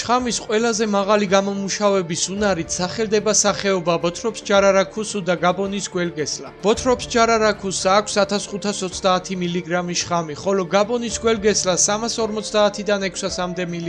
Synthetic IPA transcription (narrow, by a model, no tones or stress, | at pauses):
ʃχamisqʼwɛlazɛmaʁaliɡamɔmuʃavɛbisunaɾit̪ʰsaχɛld̪ɛbasaχɛɔbabɔt̪ʰɾɔpsd͡ʒaɾaɾakʰusud̪aɡabɔnisɡwɛlɡɛsla̰b̥ɔt̪ʰɾɔpsd͡ʒaɾaɾakʰusakʷʰsat̪ʰasχut̪ʰasɔt̪sʰd̪aːt̪ʰimiliɡɾamiʃχamiχɔlɔɡabɔnisɡwɛlɡɛslasamasɔɾmɔt̪sʰd̪aːt̪ʰid̪anɛkʰsasamd̪ɛmili